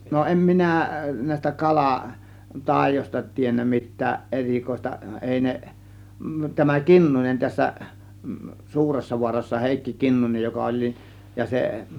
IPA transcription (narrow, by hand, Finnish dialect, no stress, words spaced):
no ʔem minæˑ næˑe̝s̆tæ kɑlɑ tɑˑe̝josʲtɑ tienːæ mitˑæːʔ ʔerikoistɑ eˑi ne tæmæ kinːunen tæsːæ suːresːɑʋuɑrɑsːɑ heˑikːi kinːunej jokɑ olʲ nin jɑ se